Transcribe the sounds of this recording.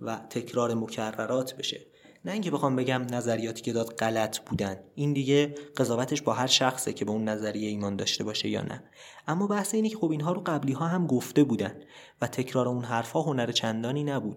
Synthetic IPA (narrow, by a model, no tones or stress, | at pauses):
væt̪ʰe̞cʰɾɒːɾe̞mo̞cʰærːæɾɒːt̪ʰbe̞ʃe̞ | næiːŋcʰe̞be̞xɒːmbe̞ɟæmnæzæɾijɒːt̪ʰiːcʰe̞d̪ɒːd̪ɢælæt̪ʰb̥uːd̪ænd̪ʔind̪iːɟe̞ɢe̞zɒːvæt̪ʰe̞ʃbɒːɦæɾʃæxsecʰe̞beunːæzæɾije̞iːmɒːnd̪ɒ̰ːʃt̪e̞bɒːʃejɒ̰ːnʔæ̰ | ʔæmːɒːbæhse̞iːnecʰexo̞biːnɦɒːɾoɢæbliːɦɒːɦæmɡoft̪e̞buːd̪ænd̪ | væt̪ʰe̞cʰɾɒːɾeunɦæɾfhɒːɦo̞næɾet͡ʃʰænd̪ɒːniːnæbuːd̪̥